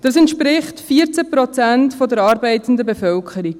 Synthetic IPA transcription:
d̥ɑsɛntʃpɾɪχtfiːəɾt͡səpɾɔt͡sæntfɔdəɾɑːɾbɛɪtən̩dəbefœlkʰχəɾik

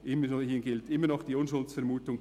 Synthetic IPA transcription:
ʔɪməhiːnɡɪltɪmːənɔχd̥iːʊnʃʊlt͡sfɛɾmuːtʊŋ

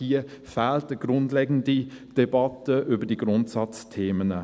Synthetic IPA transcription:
iːəfæːltəɡ̥ɾʊndlɛɡn̩did̥ɛbɑtəʔʏbədiɡ̥ɾʊntsɑt͡stʰeːmənə

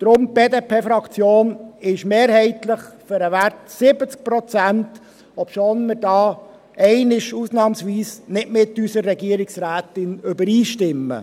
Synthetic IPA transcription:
d̥ɾʊmb̥eːdepʰeːfɾɑkt͡sjoːnɪʃmeːɾhɛɪtlɪχfʏɾəʋærtsɪbət͡sk̚pɾɔt͡sænt | ɔpʃoːnmɪɾdɑː | ʔɛɪnɪʃusnɑːmsʋiːsnɪtmɪtysərːɛɡiːəɾɪksræːt̪ɪnʏbəɾiːʃtɪmːə̰

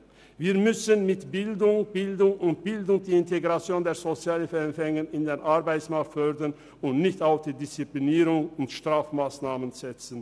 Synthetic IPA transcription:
viːɐmʏsənmɪtb̥ɪldʊŋb̥ɪldʊŋʊnt̚b̥ɪldʊŋd̥iːɪnteɡʁat͡sjoːndeːɐzot͡sjaːləfɛɛmfɛŋənɪndenʔaɐbaɪt͡smak̚tfœʁdɐn | ʊntnɪçtaʊfd̥iːdɪst͡sipliniːʁʊŋʊntʃtʁ̥aːfmaːsnaːmənz̥ɛt͡sən̩

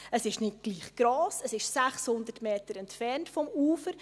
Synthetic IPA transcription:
əsɪʃnɪt̚ɡ̥liːχɡ̥ɾoːsəsɪʃsæχshʊnd̪ətmeːtəɾɛntfɛrntfɔmuːfəɾ

